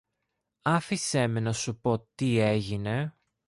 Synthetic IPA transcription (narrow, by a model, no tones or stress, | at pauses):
ɐfise̞menɐsupo̞t̪ie̞ʝine̞